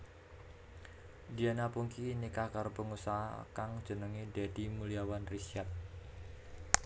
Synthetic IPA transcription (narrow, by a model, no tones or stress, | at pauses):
dianapuŋkinikakaɾopəŋusaɦa̰kaŋd̥ʒ̥ə̤nəŋidɛdimuliawanrisiat̪̚